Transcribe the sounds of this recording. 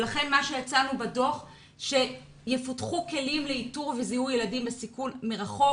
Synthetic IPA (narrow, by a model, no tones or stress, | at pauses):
laχe̞nmaʃe̞jat͡sanubado̞χ | ʃe̞ | jefotχuke̞limleituʁvezihujeladimbesikunmeʁaχo̞